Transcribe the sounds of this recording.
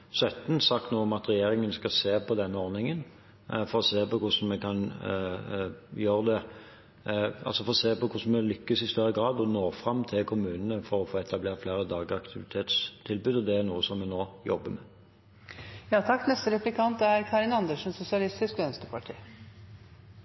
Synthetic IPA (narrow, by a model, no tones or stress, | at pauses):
sœt̪n̩sɑkt̪nuːɔmɑt̪ʁɛjeːɾɪŋənskɑseːpʰɔd̪ɛnːəɔʁnɪŋən | fɔɾɔseːpɔkʰʊsn̩mɛkʰɑn | jøːʁd̪ɛ | ɑ̰lsɔfɔʁɔseːpɔkʰʊsn̩mɛlʏkːəsɪst̪œɾːəɡʁɑːd̪ɔnoːfʁɑmːt̪ʰɪlkʰʊmʉːnənəfɔɾɔfoːɛt̪ɑbleːʁt̪fleːɾəd̪ɑːɡəɑkt̪ʰɪʋɪt̪ʰeːt̪st̪ʰɪlbʉːd̪ɔd̪ɛæʁnuːəsɔmːɛnoːjɔbːəmɛ | jɑːt̪ʰɑkːnɛst̪əɾɛplɪkʰɑnt̪æɾkʰɑːɾɪnɑnd̪əʂn̩sʊsɪɑlɪst̪ɪskœnst̪əpʰɑʈʰiː